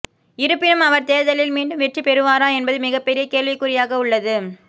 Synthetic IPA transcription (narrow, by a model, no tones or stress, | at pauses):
ɪɾɯpːɪnɯmɐʋɐɾt̪eːɾðɐlɪlmiːɳɖɯmʋɛʈripɛɾɯʋaːɾaːɛnbɐðɯmɪɣɐpːɛɾɪjɐkeːɭʋɪkːʊrɪjaːɣɐʊɭːɐðɯ